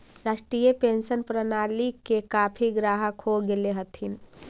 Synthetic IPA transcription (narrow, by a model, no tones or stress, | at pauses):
ɾaːsʈɾiːjəpensənpɾənalikekapʰiɡɾaɦəkɦoɡeleɦət̪ʰin